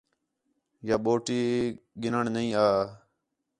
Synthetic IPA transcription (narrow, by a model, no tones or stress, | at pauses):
jaːɓoːʈiːɡɪnəɳnəĩːaː